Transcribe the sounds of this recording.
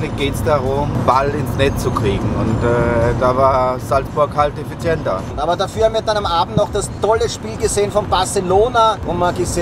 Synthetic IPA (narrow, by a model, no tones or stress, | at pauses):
ʁɪçɡ̥eːtsd̥aʁʊmb̥alɪnsnɛt͡st͡sukʁ̥iːɡŋ̩ʊntɛːdavaːsaltfoːɐkʰaltefit͡sjɛntɐ̰ʊnʔaːbɐdafyːɐhamviːɐdanamʔaːbm̩tnaʊxd̥astʰɔləʃpiːlɡəzeːənfɔnbaɐseloːnaʔʊmmaɡəze